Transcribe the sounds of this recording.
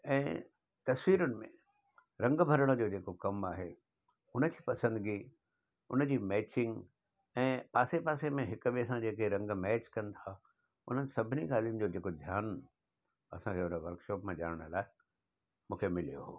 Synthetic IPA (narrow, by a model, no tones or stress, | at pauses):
ɛ̃ː | t̪ɐsʋiːɾʊnɪ̆mḛ̃ | ɾɐ̃ŋɡbʱɐɾəɽ̃d͡ʑoːd͡ʑeːkokɐmaːɦe | ʊnə̆d͡ʑiːpɐsə̃nd̪ɡi | ʊ̰nəd͡ʑiːmɛːt͡ɕɪ̃ŋɡ | ɛ̃ːpaːsepaːsemẽɦɪkʊɓiɐsãd͡ʑeːkeɾɐ̃ŋɡmɛːt͡ɕkɐ̃nɪ̆t̪ʰa | ʊ̰n̤ənɪ̆sɐbʱɪniɡaːl̤ijʊnɪ̆d͡ʑoːd͡ʑeːkod̪ʱjaːn | ɐ̰sãkʰeʊnəʋɐɾkʃɔːpmãʄa̰ːɽɪɽ̃ʊlaːɪ | mũːkʰemɪlijoɦoː